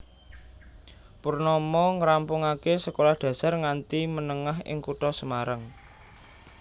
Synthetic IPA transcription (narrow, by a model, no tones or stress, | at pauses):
purnɔmɔŋəɾampʊŋakesəkolahɖ̪̥ä̤sarŋant̪imənəŋaɦɪ̰ŋkuʈɔsəmaɾaŋ